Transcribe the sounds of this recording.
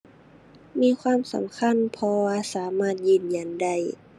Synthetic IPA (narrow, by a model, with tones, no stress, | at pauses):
miː˧˥˨kʰwaː˧˥˨msa̰˨˦mkʰa˧˥˨npʰɔ˧waː˧˨saː˩˦maː˧˥˨t̪̚jɯː˧˩˨nja˧˩˦nda˧˩˨j